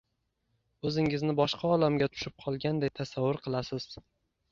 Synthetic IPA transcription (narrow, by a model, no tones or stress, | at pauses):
ɵzɪŋɪznɪbɒʃqʰɑɒlamɡʲat̪ʰʊ̥ʃɪp̚qʰɒlˠɡʲand̪ejt̪ʰasavːʊɾqʰɨlˠasɪz̥